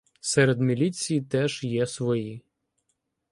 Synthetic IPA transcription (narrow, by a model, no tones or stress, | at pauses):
sɛɾed̪mʲilʲit͡sʲijit̪ɛʒ̥jɛsʋɔji